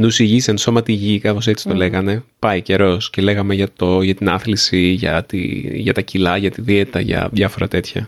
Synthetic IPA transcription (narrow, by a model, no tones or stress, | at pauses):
nusiʝisenso̞mɐt̪iʝikɐθo̞se̞t͡si̥t̪o̞le̞ɣɐne̞pɐice̞ɾo̞scele̞ɣɐmeʝɐt̪oʝɐt̪inɐnθlisiʝɐ̰t̪ḭʝɐt̪ɐcilɐʝɐt̪iðiet̪ɐʝɐ̰ðjɐfo̞ɾɐ̰t̪e̞t̪çɐ̰